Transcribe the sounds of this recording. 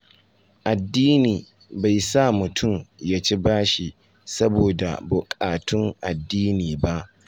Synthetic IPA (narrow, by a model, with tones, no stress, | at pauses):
ʔa˨dːiː˦niː˨ | ba˨jsa˦˨mʊ˨tʰʊ˦˨mjaː˦t͡ʃi˦baː˦ʃi˨ | sɐ˦boː˨da̰˨bʊ˨kʼaː˨tʰʊ˦ŋʔa˨dːiː˦niː˨ba˦ʔ